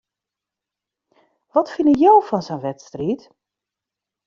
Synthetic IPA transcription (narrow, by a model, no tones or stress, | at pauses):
ʋɔtfɪnəjowfɔnsɛnʋɛtstriːt